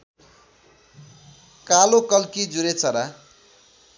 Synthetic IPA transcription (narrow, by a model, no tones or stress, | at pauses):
kalokʌlkid͡zuɾet͡sʌɾa